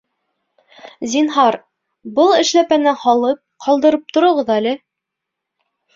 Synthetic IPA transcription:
zinɦɑɾ | bɤlˠɘ̆ʃlæpænɘhɒlˠɤp̚qʰɒlˠd̪ɤ̆ɾɤp̚t̪ŏɾŏʁɤðælɘ

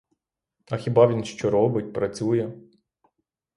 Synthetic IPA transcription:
ɐxʲibɑʋʲinʃt͡ʃɔɾɔbɪt̚ʲpɾɐt͡sʲujɛ

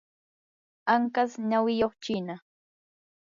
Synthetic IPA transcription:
aŋkasɲawɪjoχt͡ʃɪna

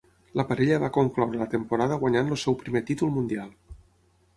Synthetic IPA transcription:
ləpaɾeʎəβakoŋklawɾələt̪əmpuɾaðəɣwaɲanlosɛwpɾimet̪it̪ulˠmund̪ialˠ

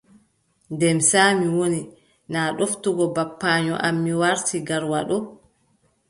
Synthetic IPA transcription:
ndɛmsaːmiwoni | naːɗoftuɡɔbapːaːɲɔ̰ʔamːiwaɾtiɡaɾwaɗɔ

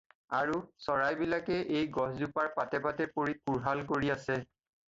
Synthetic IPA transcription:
aɹusɔɹajbilakɛʔejɡɔɦzupaɹpatɛpatɛpoɹikuɹɦalkoɹiasɛ

